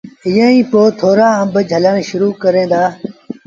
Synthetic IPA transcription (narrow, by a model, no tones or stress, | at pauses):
ɪːə̃ːĩːpoːt̪ʰoːɾaːə̃mbəd͡ʒʱəlaːɳʃʊɾuːkəɾẽːnd̪aː